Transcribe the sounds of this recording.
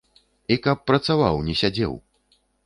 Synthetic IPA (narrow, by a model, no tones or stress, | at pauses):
ikɐpːɾɐt̪sava̰wnʲɛsʲad͡zʲɛ̰w